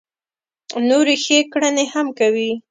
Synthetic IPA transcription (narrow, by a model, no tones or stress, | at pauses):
noɾexekɽənehamkawi